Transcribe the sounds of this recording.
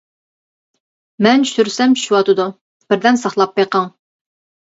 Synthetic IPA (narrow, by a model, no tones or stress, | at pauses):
mɛnt͡ʃʃyɾsɛmʃuwɑt̪ɨd̪u | b̥ɪɾd̪ɛnsɑχlˠɑpːeqɑŋ